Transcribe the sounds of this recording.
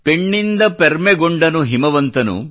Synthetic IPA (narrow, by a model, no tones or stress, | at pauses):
peɳːind̪ɐpeɾmeɡoɳɖɐnuɦimɐʋɐnt̪ɐnṵ